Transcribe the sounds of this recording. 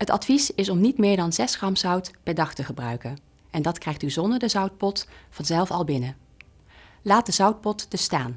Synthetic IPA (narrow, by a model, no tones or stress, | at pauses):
ɦətɑ̰tfisɪsɔmnitmɪːɹdɑnzɛsχrɑmzʌwtpɛɹdɑχtəχəbrœɥkən | ʔɛndɑtkrɛjχtyzɔndəɹdəzʌwt̚pɔtfɑnzɛlˠfɑlˠbɪnə | laːt̚dəzʌwt̚pɔtd̥əstaːn